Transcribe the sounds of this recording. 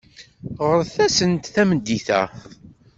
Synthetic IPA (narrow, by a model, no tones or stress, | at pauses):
ʁəɾθæsənt̪θæmənd̪iθæ̰